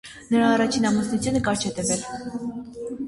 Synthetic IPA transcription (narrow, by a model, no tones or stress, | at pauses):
nəɾɑːrɑt͡ʃʰinɑmusnut͡sʰjunəkɑɾt͡ʃʰɛt̪əvɛl